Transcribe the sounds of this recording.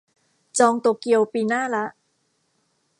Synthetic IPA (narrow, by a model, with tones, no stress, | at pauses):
t͡ɕɔː˧ŋt̪oː˨˩ki˧əwpiː˧naː˥˩la˦˥ʔ